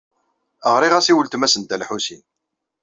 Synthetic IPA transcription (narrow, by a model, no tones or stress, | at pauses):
əʁɾiʁæsiwəlt̪mæsənt̪ælħusin